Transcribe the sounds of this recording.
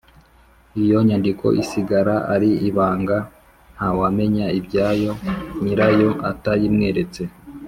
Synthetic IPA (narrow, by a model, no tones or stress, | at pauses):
ijo̞ɲandikʰo̞̰ʔisiɡaɾaʔa̰ɾiiβaːŋɡa | n̥hawame̞ɲaibjɟaːjo̞ɲiɾajo̞ʔatajimŋe̞ːɾe̞t͡se̞